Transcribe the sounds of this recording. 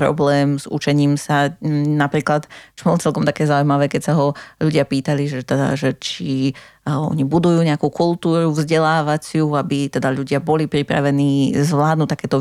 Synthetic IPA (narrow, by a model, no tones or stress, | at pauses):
pɾɔ̰blɛːmzṵt͡ʃɛɲiːmsanapɾiːklat̪t͡ʃɔbɔlɔt͡sɛlkɔmt̪akɛːzaujmaʋɛːkɛcsaɦɔʎuɟɪapiːt̪aliʒɛt̪ɛd̪a̰ʒɛt͡ʃi | ɔ̰ɲibud̪ujuːɲɛakuːkulˠt̪uːɾuvzɟɛlaːʋat͡sɪuabit̪ɛd̪aʎuɟɪabɔlipɾipɾa̰ʋɛniːzʋlaːd̪nuːt̪akɛːt̪ɔ